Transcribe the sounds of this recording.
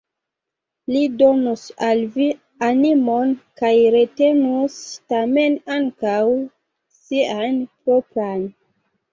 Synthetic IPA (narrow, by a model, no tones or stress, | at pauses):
lido̞nusalvi | animo̞nkajɾe̞te̞nustame̞naŋkaw | sianpɾopɾan